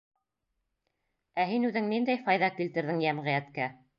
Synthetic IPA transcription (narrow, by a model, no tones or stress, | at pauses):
æɦinʉðɘŋnind̪æjfɑjðɑkilt̪ɘ̆ɾðɘŋjæmʁɘ̆jæt̪kæ